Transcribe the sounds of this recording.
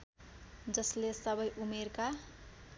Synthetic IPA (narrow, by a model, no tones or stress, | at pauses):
d͡zʌslesʌbʌjʔumerka